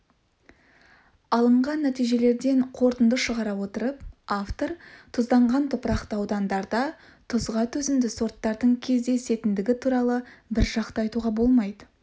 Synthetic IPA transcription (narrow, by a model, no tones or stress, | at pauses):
ɑlˠəɴʁɑnːæt̪ijʒe̞le̞ɾd̪e̞ɴqʰo̞ɾt̪ənd̪əʃəʁɑɾɑwo̞t̪əɾəp̚aft̪o̞ɾt̪ʰʊzd̪ɑɴʁɑnt̪ʰʊpəɾɑqt̪əɑwd̪ɑnd̪ɑɾd̪ɑ | t̪ʰʊzʁɑt̪ʰɵzɪmd̪ɪso̞ɾt̪ːɑɾd̪əɴkʲʰe̞zd̪e̞se̞t̪ɪnd̪ɪɡʲɪt̪ʰuɾɑlˠəbɪɾʒɑqt̪əɑjt̪uʁɑbo̞lˠmɑjd̪ə